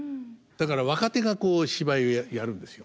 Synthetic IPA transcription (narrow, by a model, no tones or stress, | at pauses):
d̪̥akaɾaβ̞akat̪e̞ɡako̞ːɕibaiojajaɾɯ̟̃nd̪esɨjo